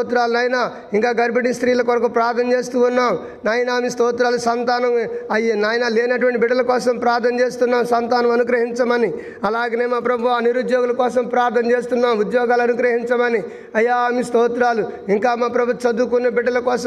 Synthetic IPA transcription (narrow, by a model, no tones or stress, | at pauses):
t̪ɾaːlunaːjɐnaː | iŋkaːɡɐɾbɐɽist̪ɾiːlɐkɐnɐkɐpɾaːɾt̪ʰːɐnɐt͡ʃe̞ːst̪uːunːaːm | naːjɐnaːmist̪oːt̪ɾaːlusɐnt̪aːnɐmɐjenaːjɐnaːleːnɐʈuʋɐɳʈibiɖːɐlɐkɔːsɐmpɾaːɾt̪ʰɐnɐt͡ʃeːst̪unːaːmsɐnt̪aːnɐmɐnuɡɾɐɦiɲt͡ʃɐmɐni | ɐlaːɡɐneːmaːpɾɐbʱuaːniɾud̪jɔːɡulɐkɔːsɐmpɾaːɾt̪ʰɐnɐt͡ʃe̞ːst̪unːaːmud̪jɔːɡaːlɐnuɡɾɐɦiɲt͡ʃɐmɐni | ɐjːaːmist̪oːt̪ɾaːluiŋkaːmaːpɾɐbʱut̪ːut͡ʃɐd̪uːkunːɐbiɖːɐlɐkɔːsɐ